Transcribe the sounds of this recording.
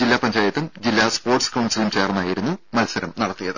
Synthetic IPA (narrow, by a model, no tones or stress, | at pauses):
d͡ʑilːaːpɐɲt͡ɕaːjɐt̪ːɐmd͡ʑilːaːspo̞ːrʈskɐwɳɖsilumt͡ɕe̞ːrnːaːjiɾunːumɐlsɐɾɐmnɐɽɐt̪ːijɐðɨ